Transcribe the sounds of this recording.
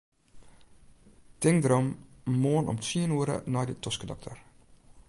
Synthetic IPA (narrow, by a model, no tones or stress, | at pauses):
tɪŋdrɔmːoənɔ̰mtiənuəɾə̰nɔjdətʰɔskədɔ̰k̚tʰə̰r